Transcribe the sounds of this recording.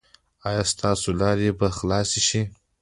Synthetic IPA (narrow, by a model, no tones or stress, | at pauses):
ɑjɑst̪ʰɑsolɑɾebaxlɑsiʃi